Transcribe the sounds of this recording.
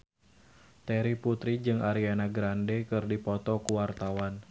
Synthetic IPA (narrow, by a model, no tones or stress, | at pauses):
t̪ɛɾiput̪ɾid͡ʒɨŋaɾianaɡɾandɛkɨrdipɔt̪ɔkuwart̪awan